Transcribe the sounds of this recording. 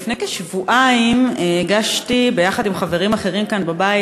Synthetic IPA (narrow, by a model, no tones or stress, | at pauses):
fnejkeʃvuʔaimeɡaʃtibe̞jaχadimχaveʁimaχe̞ʁimkanbabai